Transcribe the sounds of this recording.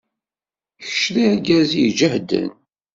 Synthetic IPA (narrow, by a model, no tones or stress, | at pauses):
çə̥ʃɾiæɡæzid͡ʒəhd̪ə̰n